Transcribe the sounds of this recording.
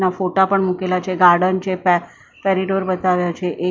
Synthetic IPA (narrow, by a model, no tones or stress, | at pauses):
nafoʈapəɳmukelat͡ɕeɡaɾɽənt͡ɕep | pɛɾiɖoɾbət̪aʋjat͡ɕeʔe